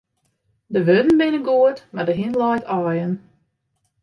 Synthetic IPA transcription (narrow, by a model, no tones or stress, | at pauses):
dəʋødn̩bɪnəɡuətmadəɦinlɔjtɔːjən